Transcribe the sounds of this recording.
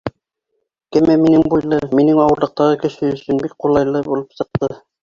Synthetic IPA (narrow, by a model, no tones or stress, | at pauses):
kɘmæminɘŋbujlˠɤminɘŋɑwɤ̆ɾlˠɤ̆q̚t̪ɑʁɤkɘ̆ʃɘɵ̆sɵnbik̚qulˠɑjlˠɤbulˠɤpsɤ̆q̚t̪ɤ